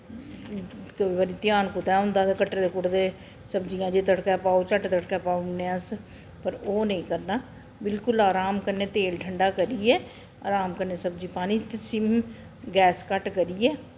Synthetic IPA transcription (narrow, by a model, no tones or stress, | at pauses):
kəʋiːbaːɾiːt̪ɪjaːnkʊt̪ɛːʊ̃nd̪aːt̪ːkəʈːɾed̪eːkʊɽd̪eː | səbd͡ʒijãːd͡ʒeːt̪əɽkɛːpaːoːt͡ʃəʈt̪əɽkɛːpaːonẽːəs | pəɾoːnəĩːkəɾnaː | bɪlkʊlaːɾaːmkəɾneːt̪eːlʈʰəɳɖaːkəɾiːɛː | aːɾaːmkəɾneːsəbd͡ʒiːpaːnĩːt̪esɪm | ɡɛːskəʈkəɾiːɛː